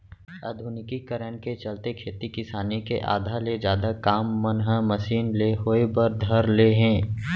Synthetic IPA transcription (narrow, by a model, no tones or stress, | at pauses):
a̰d̪ʱʊnɪkikəɾənket͡ʃɐlt̪ekʰeːt̪ikɪsaːnikḛʔa̰ːd̪ʱaːled͡ʒjaːd̪akaːmːənɦəməsiːnleɦoːebəɾd̪ʱəɾleɦɛ̃ː